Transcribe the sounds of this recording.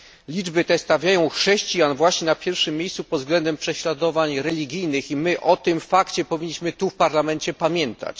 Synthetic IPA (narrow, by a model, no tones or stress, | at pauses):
lʲid͡ʐbɘt̪ɛst̪avʲjajɔ̃w̃xʂɛɕt͡ɕijanvwaɕɲɛnapʲjɛɾfʂɘmʲːjejssupɔd̪zɡlɛnd̪ɛmpʂɛɕlad̪ɔvaɲɾɛlʲiɡʲijnɘximɘʔɔt̪ɘmfakt͡ɕɛpɔvʲiɲːiɕmɘt̪ufpaɾlamɛnt͡ɕɛpamʲjɛnt̪ʰa̰t͡ɕ